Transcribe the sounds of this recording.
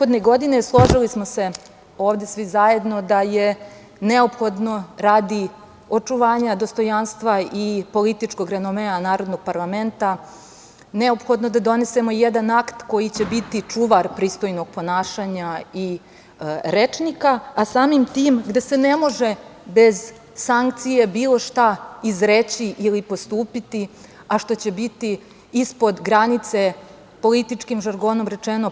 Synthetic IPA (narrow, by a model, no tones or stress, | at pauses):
od̪neɡo̞d̪ineslˠo̞ʒilismose̞ | o̞ːʋd̪e̞sʋizaje̞d̪no̞d̪aje̞ | neo̞pxo̞d̪no̞ɾaːd̪i | o̞t͡ʂuʋaːɲad̪ost̪o̞janst̪ʋaipo̞lit̪it͡ʂko̞ɡɾenomenanaːɾo̞d̪noɡ̚paɾlˠame̞nt̪a | neo̞pxod̪nod̪ad̪o̞ne̞se̞mo̞jed̪anakt̪ko̞jit͡ɕebit̪it͡ʂuʋaɾpɾiːst̪o̞jno̞ɡ̥̚po̞naːʃaɲai | ɾet͡ʃnikaasaːmimt̪iːmɡd̪e̞se̞ne̞mo̞ʒe̞be̞z | saŋk̚t̪sije̞biːlˠo̞ʃt̪aizɾet͡ɕiʔilipo̞st̪uːpit̪i | aʃt̪o̞t͡ɕe̞bit̪iː | spo̞d̪ɡɾanit̪se̞ | po̞lit̪it͡ʂkimʒaɾɡo̞no̞mɾe̞t͡ʃeno̞